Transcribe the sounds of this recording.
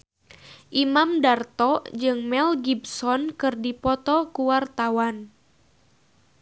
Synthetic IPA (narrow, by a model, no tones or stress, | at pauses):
ʔimamdart̪ɔd͡ʒɨŋmɛlɡibsɔnkɨrdipɔt̪ɔkuwart̪awan